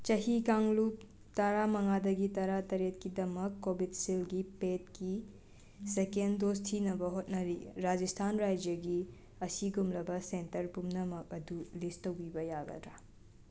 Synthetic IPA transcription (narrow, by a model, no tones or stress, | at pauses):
t͡ʃɐɦikaŋlup̚ | tɐɾamɐŋadɐɡitɐɾatɐɾet̚kidɐmɐkːobidsilɡipet̚ki | sekenddostʰinɐbɐɦot̚nɐɾiɾad͡ʒistʰanɾajd͡ʒjɐɡi | ɐsiɡumlɐbɐsentɐɾpumnɐmɐk̚ɐdulistːɐwbibɐjaɡɐ̰tɾa